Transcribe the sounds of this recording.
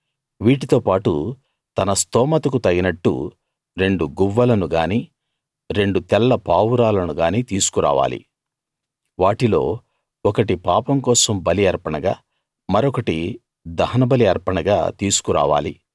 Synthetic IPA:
ʋiːʈit̪oːpaːʈu | t̪ɐnɐst̪ɔːmɐt̪ɐkut̪ɐɡinɐʈːṵ | ɾe̞ɳɖuɡuʋːɐlɐnuɡaːniː | ɾe̞ɳɖut̪ɛlːɐpaːwuɾaːlɐnuɡaːniːt̪iːsu̥kuɾa̰ːʋa̰ːlḭ | ʋaːʈilo̞̰ː | ɔkɐʈipaːpɐmkɔːsɐmbɐliɐɾpɐɳɐɡaː | mɐɾɔkɐʈi | d̪ɐɦɐnɐbɐliɐɾpɐɳɐɡa̰ːt̪iːsu̥kuɾa̰ːʋa̰ːlḭ

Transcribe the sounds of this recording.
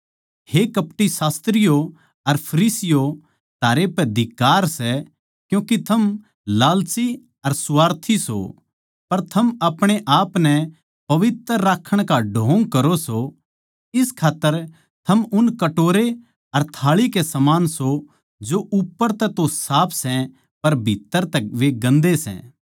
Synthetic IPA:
hekɐpʈisaːst̪ɾɪjo | ɐɾpʰɐɾiːsɪjo | t̪aːɾepɛd̪ʱɪkːaːɾsɛ | kjũːkit̪ʰɐm | laːlsi | ɐɾsʊʋaːɾt̪ʰiso̰ | pɐɾt̪ʰɐmɐpɽ̃eʔaːpnɛ | pɐʋɪt̪ɾəɾːaːkʰːəɽ̃kaɖʱõːŋkɐɾoso | ɪskʰaːt̪ːəɾ | t̪ʰɐmʊnkɐʈoːɾe | ɐɾt̪ʰaːɭikesɐmaːnso | d͡ʒoʔʊpːəɾt̪ɛt̪osaːpʰsɛ̃ | pɐɾbʱit̪ːəɾt̪ɛʋeɡɐ̃nd̪esɛ̰̃

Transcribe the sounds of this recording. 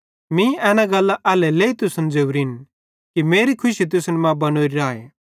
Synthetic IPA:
mĩɛːnaɡɐlːaʔɛːlɛleːit̪ʊsɐnd͡zeːuɾin | kimeːɾikʰʊʃit̪̬ʊsnɛmãbɐnoːɾiɾaːḛː

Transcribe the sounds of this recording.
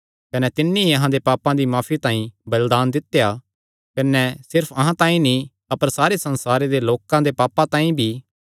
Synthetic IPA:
kɐnɛt̪ɪnːĩiɐɦãd̪epaːpãd̪imaːpʰit̪ãːĩbɐld̪aːnd̪ɪt̪ja | kɐnɛsɪɾpʰɐɦãt̪ãːĩnĩ | ɐpəɾsaːɾesɐ̃nsaːɾed̪eloːkãd̪epaːpãt̪ãːĩbʱi

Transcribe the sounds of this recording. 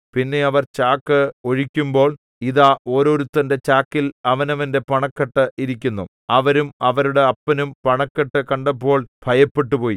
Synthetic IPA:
pinːe̞ɐʋɐrt͡ɕaːkːɨo̞ɻikʲːumbo̞ːɭ | iðaːʔo̞ːɾo̞ːɾut̪ːɐnde̞t͡ɕaːkːilɐʋɐnɐʋɐnde̞pɐɳɐkːɐʈːɐʔiɾikʲːunːu | ɐʋɐɾumɐʋɐɾuɽe̞ɐpːɐnumpɐɳɐkːɐʈːɨkɐɳɖɐp̬ːo̞ːɭbʱɐjɐpːe̞ʈːupo̞ːji

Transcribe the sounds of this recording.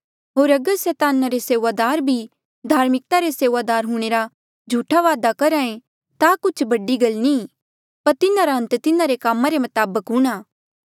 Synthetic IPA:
ɦoːɾɐɡəɾsɛːt̪aːnaɾeseːʋad̪aːɾbʱi | d̪ʱaːɾmɪk̚t̪aɾeseːʋad̪aːɾɦũːɽ̃eːɾa | d͡ʒʱuːʈʰaʋaːd̪akɐɾãːẽ | t̪akʊt͡ʃʰbɐɖiɡɐlnĩː | pɐɾt̪ɪnaɾaɦɐə̃nt̪t̪ɪnãɾekaːmãɾemɐt̪aːbəkɦʊ̃ːɽ̃aː

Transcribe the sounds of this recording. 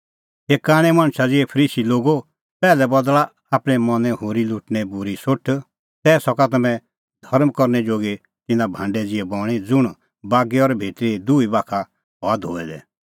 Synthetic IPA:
ɦeːkaːɽ̃ɛmãːɽ̃sad͡zɪɛpʰəɾiːsiloːɡo | pɛːlɛbɔd̪la | aːpɽ̃ɛmɔnɛ̃ɦoːɾilʊʈñɛbʊɾisʊʈʰ | t̪ɛːsɔkat̪ɐmɛ̃ | d̪ʱɔɾmkɔɾnɛd͡ʒoːɡe | t̪ɪnãbʱãːɳɖɛd͡zɪɛbɔːɽ̃id͡zʊɽ̃ | baːɡɛɔɾbʱeːt̪ɾid̪uibaːkʰa | ɦɔad̪o̰ːɛd̪ɛ̰ː

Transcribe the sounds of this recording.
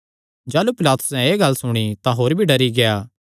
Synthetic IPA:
d͡ʒaːlupɪlaːt̪ʊ̥sɛ̃eːɡɐlsʊɽ̃it̪ãɦoːɾbʱiɖɐɾiɡejaː

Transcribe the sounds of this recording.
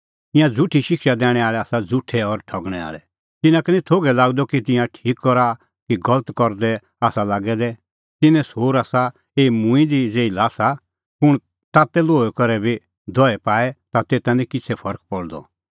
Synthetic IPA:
t̪ɪ̃jãd͡zʱʊʈʰiʃɪkʃad̪ɛːɽ̃ɛaːɭɛaːsad͡zʱʊʈʰːɛɔɾʈʰɐɡɽ̃ɛa̰ːɭɛ | t̪ɪnãkɛnĩt̪ʰoːɡɛlaːɡd̪ɔkit̪ɪ̃jãʈʰiːkːɔɾa | kiɡɐlət̪kɔɾd̪ɛ | aːsalaːɡɛd̪ɛ | t̪ɪnɛ̃soːɾaːsa | eːimʊ̃ĩd̪id͡zeːilaːsa | pʊɽ̃ | t̪aːt̪ɛloːɛkɔɾɛbʱi | d̪ʱɔɛpaːɛt̪at̪eːt̪ãnĩkɪt͡sʰɛpʰɔɾk̚pɔɽd̪ɔ̰

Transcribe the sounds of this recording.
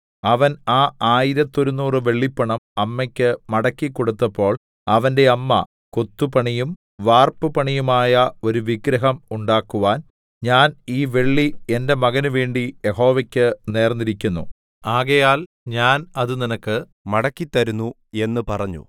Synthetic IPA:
ɐʋɐnaːaːjiɾɐt̪ːo̞ɾunːuːrɨʋe̞ɭːipːɐɳɐmɐmːɐkʲːɨmɐɽɐkːikːo̞ɽut̪ːɐpːo̞ːɭ | ɐʋɐnde̞ɐmːɐ̰ | kot̪ːupɐɳijum | ʋaːrpɨpɐɳijumaːjɐo̞ɾuʋiɡɾɐɦɐmuɳɖaːkːuʋaːn | ɲaːniːʋe̞ɭːie̞nde̞mɐɣɐnuʋe̞ːɳɖijeho̞ːʋɐkʲːɨne̞ːrnːiɾikʲːunːṵ | aːɣɐjaːl | ɲaːnɐðɨninɐkːɨ | mɐɽɐkːit̪ːɐɾunːu | e̞nːɨpɐrɐɲːṵ

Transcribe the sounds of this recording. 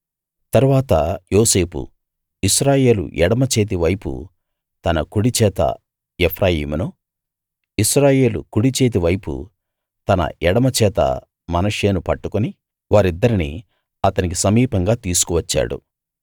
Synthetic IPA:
t̪ɐɾuʋaːt̪ɐjo̞ːse̞ːpṵ | iʃɾaːje̞ːlṵʔɛɽɐmɐt͡ʃeːt̪̬iʋɐjpṵ | t̪ɐnɐkuɽit͡ʃɛːt̪ɐ̰ | epʰɾaːjḭːmunu | iʃɾaːje̞ːlṵkuɽit͡ʃe̞ːt̪̬iʋɐjpṵ | t̪ɐnɐ̰ʔɛɽɐmɐt͡ʃɛːt̪ɐ̰ | mɐnɐʂe̞ːnupɐʈːukuni | ʋaːɾid̪ːɐɾinḭ | ɐt̪ɐnik̬isɐmiːpɐŋɡaːt̪iːsu̥kuʋɐt͡ʃːa̰ːɽṵ

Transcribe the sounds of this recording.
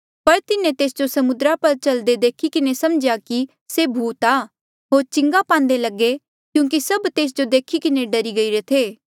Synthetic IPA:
pɐɾt̪ɪnẽt̪eːsd͡ʒosɐmʊd̪ɾapɐɾt͡ʃɐld̪ed̪eːkʰikɪnesɐmd͡ʒjaki | sebʱuːt̪aː | ɦoːɾt͡ʃɪ̃ŋɡapãːnd̪elɐɡe | kjũːk̬isɐbt̪eːs̬d͡ʒod̪eːkʰikɪneɖɐɾiɡɐiɾet̪ʰeː

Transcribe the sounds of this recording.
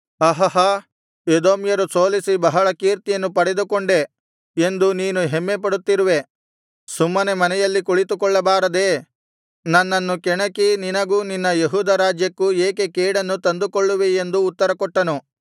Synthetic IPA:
ɐɦɐɦɐ | ed̪oːmjɐɾusoːlisibɐɦɐɭɐkiːɾt̪ijɐnːupɐɽed̪ukoɳɖe̞ | end̪uniːnuɦemːep̬ɐɽut̪ːiɾuʋe̞ | sumːɐnemɐnɛjɐlːikuɭit̪ukɔɭːɐbaːɾɐd̪e̞ː | nɐnːɐnːukɛɳɐkininɐɡuːninːɐjeɦuːd̪ɐɾaːd͡ʒjɐkːueːkekeːɽɐnːut̪ɐnd̪ukoɭːuʋeend̪uːt̪ːɐɾɐkɔʈːɐnu

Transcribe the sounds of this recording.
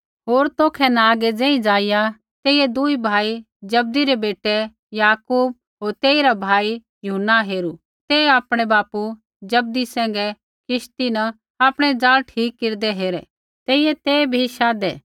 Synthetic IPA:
ɦoːɾt̪oːkʰɛnaaːɡɛd͡zɛ̃ːĩd͡ʒaːɪja | t̪eːɪjɛd̪uibʱaːi | d͡ʒɐb̚d̪iɾɛbeːʈɛ | jaːkuːb̚ | ɦoːɾt̪eːiɾabʱaːi | jʊɦənːaɦeːɾu | t̪eːaːpɽ̃ɛbaːpu | d͡ʒɐb̚d̪isɛ̃ːŋɡɛ | kʰɪʃt̪inɐ | aːpɽ̃ɛd͡zaːlʈʰiːkːɪɾd̪ɛɦeːɾɛ | t̪eːɪjɛt̪eːbʱiʃaːd̪ɛː

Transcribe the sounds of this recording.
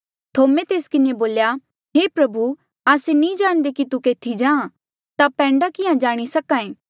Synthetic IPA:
t̪ʰoːmẽt̪eːskɪneboːlja | ɦeːpɾɐbu | aːsenĩd͡ʒaːɽ̃d̪ekit̪ukeːt̪ʰid͡ʒãː | t̪apɛ̃ːɳɖakɪãd͡ʒaːɽ̃isɐkãːẽː

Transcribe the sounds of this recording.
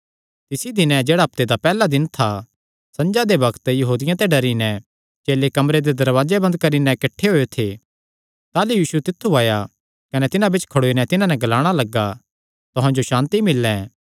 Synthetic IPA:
t̪ɪsid̪ɪnɛ̃d͡ʒeːɽaɐp̚t̪ed̪apɛːlad̪ɪnt̪ʰa | sɐ̃nd͡ʒad̪ebɐkt̪jɐɦuːd̪ɪjãt̪ɛɖɐɾinɛ | t͡ʃeːlekɐmɾed̪ed̪ɐɾʋaːd͡ʒebɐnd̪̚kɐɾinɛkɐʈʰːeɦoːet̪ʰe | t̪aːlujiːʃut̪ɪt̪ʰːuaːja | kɐnɛt̪ɪnãbɪt͡ʃkʰɐɽoːinɛt̪ɪnãnɛɡɐlaːɽ̃alɐɡa | t̪ʊɦãd͡ʒoʃãːnt̪imɪlːɛ̃ː

